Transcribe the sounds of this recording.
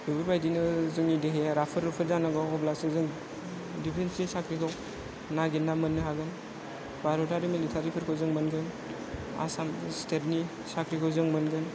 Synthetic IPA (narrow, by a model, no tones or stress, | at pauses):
bubɯɾbajdinɯzɯŋideɦeɾapʰɯɾupʰɯɾzanaɡɔɔblasɯzɯŋ | dipʰensnisakʰɾikʰɯw | naɡinːamɯnːɯɦaɡɯn | baɾɔtaɾimilitʰaɾipʰɯɾkʰɯwzɯŋmɯnɡɯn | a̰samstʰetni | sakʰɾikʰɯwzɯŋmɯnɡɯn